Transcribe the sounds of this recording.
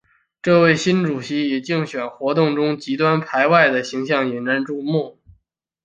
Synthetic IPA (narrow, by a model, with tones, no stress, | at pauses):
ʈ͡ʂɤ˥˧we˥˩ɪɕi˥nʈ͡ʂu˨˩ɕi˧˥i˨˩t͡ɕi˥˩ŋɕɥɛ˨˩nxwɔ˧˥t̪ʊ˥˩ŋʈ͡ʂʊ˥ŋt͡ɕi˧˥t̪wa˥npʰa˧˥ɪwa˥˩ɪd̪ə˩ɕi˧˥ŋɕjɑ˥˩ŋjɛ˨˩nna˧˥nʈ͡ʂu˥˧mu˥˩